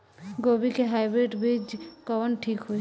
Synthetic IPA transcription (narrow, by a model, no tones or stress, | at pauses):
ɡobikeɦajbɾeʈbɾid͡ʒkɔwɔnʈʰikɦoj